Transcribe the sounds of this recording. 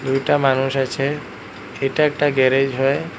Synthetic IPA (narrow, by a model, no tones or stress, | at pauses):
d̪ujʈamanuʃat͡ɕʰe | ejʈaɛk̚ʈaɡɛɾed͡ʑɦɔe